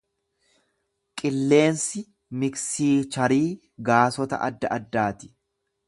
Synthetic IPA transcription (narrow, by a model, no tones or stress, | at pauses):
kʼɪlːe̞ːnsɪ | mɪksiːt͡ʃɐɾiː | ɡaːsɔt̪ɐ̰ʔɐd̪ːɐʔɐd̪ːaːt̪ɪ̥